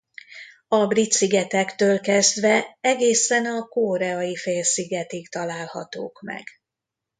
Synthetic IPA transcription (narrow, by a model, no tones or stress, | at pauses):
ɒbrit̪siɡɛt̪ɛkt̪øːlkɛzd̪ʋɛɛɡeːsɛnɒkoːɾɛɒjifeːlsiɡɛt̪ikt̪ɒlaːlhɒ̰t̪o̰ːkmɛ̰ɡ̥